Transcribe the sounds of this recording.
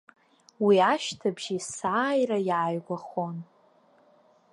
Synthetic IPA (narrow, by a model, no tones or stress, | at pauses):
wiaʃtʰabʒisaːjrajaːjɡʷaχon